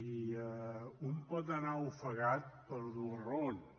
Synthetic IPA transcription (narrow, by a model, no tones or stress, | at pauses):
iəumpɔt̪ənaufəɣat̪̚pəɾðuron